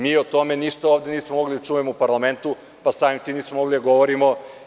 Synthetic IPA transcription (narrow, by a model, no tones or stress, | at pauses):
miːot̪ome̞niʃt̪aoʋd̪e̞niːsmomo̞ɡlid̪at͡ʃuːʋemoupaɾlˠame̞nt̪u | pasaːmimt̪iːniːsmomo̞ɡlid̪aɡo̞ʋoɾimo